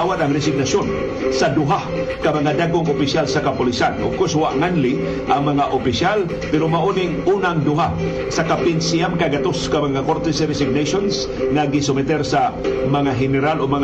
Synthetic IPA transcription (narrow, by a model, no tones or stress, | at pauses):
wat̪ɐŋɾɛs̬ɪɡ̚nasjon | sad̪ʊɦa | kamɐŋad̪aɡoŋopɪʃjalsakapʊlisanʔoɡ̚kʊswaʔŋanli | ʔaŋmɐŋaʔopɪsjal | pɛɾomaʔonɪŋʔuːnaŋd̪ʊɦa | sakapɪnsiamkaɡat̪oskamɐŋakoɾt̪ɛsɾɛs̬ɪɡ̚nejʃons | ŋaɡɪsʊmɛt̪ɛɾsamɐŋaɦɛnɛɾaloɡmɐŋ